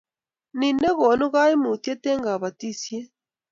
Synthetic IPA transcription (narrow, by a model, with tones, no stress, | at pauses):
ni˨ne˦ɣɔ˨nu˦ɣa˦i˦mu˨te˦tɛ˦ŋɡa˨βa˨ti˦sje˦